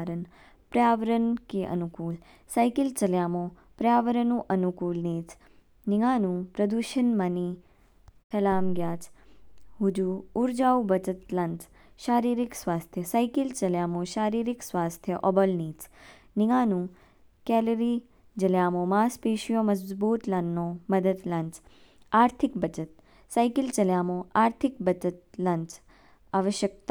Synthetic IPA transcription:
ɾən | pɾjaːʋəɾənkiʔə̰nukuːl | sajkɪlt͡ʃəljaːmõ | pɾjaːʋəɾənũːʔənukuːlniːt | nɪŋaːnũpɾɐd̪uʃənmani | kʰɐlaːmɡjaːt͡ʃ | ɦud͡ʒuuɾd͡ʒaːubət͡ʃət̪lɐnt̪ | ʃaːɾiːɾiksʋaːst̪ʰjəsajkɪlt͡ʃəljaːmõʃaːɾiːɾiksʋaːst̪ʰjəʔɔbəlniːt͡s | nɪɡaːnũː | kɛːləɾi | d͡ʒəljaːmomaːspeːʃijoməzzbuːt̪lanːõməd̪əd̪lɐ̃nt͡ʃ | aːɾt̪ʰɪk̚bət͡ʃət̪̚ | saːjkɪlt͡ʃəljaːmõʔaːɾt̪ʰɪkbət͡ʃət̪̚lɐnt͡ʃ | aːʋəʃjək̚t̪a

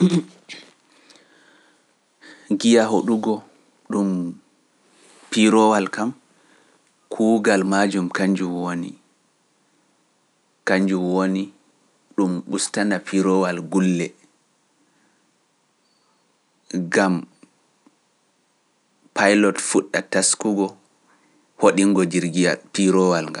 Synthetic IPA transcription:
ɡijaɦoɗuɡɔ | ɗum | piɾɔwalkam | kʰuːɡalmad͡ʒumkaɲd͡ʒumwonḭ | kaɲd͡ʒumwoni | ɗumɓustanapʰiɾɔwalɡulːɛ | ɡam | pʰajlɔtfuɗːataskuɡɔ | hoɗiŋɡɔdiɾɡiapiɾɔwalŋɡam

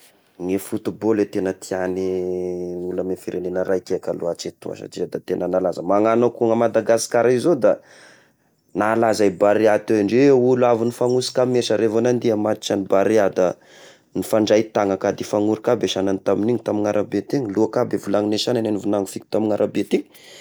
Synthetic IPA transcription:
ŋefut̪ubolet̪enət̪iani | uləmefiɾʔenenəɾajkʲeakalṵat͡ʃet̪ṵa̰ʃa̰ʈ͡ʂizəd̪at̪enənalazəmaŋanokuŋamad̪aɡasi̥kaɾaizod̪a | nalazajbaɾeat̪eaɳɖ͡ʐeuluavinifaŋusi̥kameʃəɾevonand̪iamat̪i̥t͡ʃanibaɾead̪a | nifaɳɖ͡ʐajt̪aŋakad̪ifaŋuɾikabeʃananit̪aminiɲit̪amiŋaɾʔabet̪iŋluakabevulaŋineʃanananivunaŋufikʲi̥t̪amiŋaɾʔabet̪iɲ

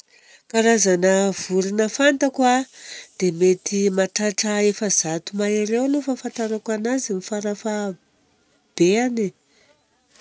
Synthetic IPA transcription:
kaɾazanəv̥uɾinəfant̪akwad̪̥emet̪imaʈ͡ʂaʈ͡ʂəefəzat̪umaiɾewlofafant̪aɾakanazimifaɾafa | b̥eani

